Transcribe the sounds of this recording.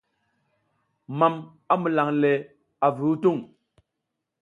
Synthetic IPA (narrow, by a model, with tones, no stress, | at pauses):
ma˨m | a˦mu˨la˨ŋle˨ | a˨vu˨˦u˦tu˦˨ŋ